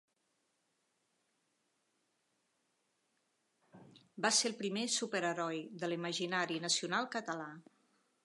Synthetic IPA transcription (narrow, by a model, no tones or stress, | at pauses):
baselˠpɾimesupəɾəɾɔjðəliməʒinaɾinəsiunalˠkət̪əla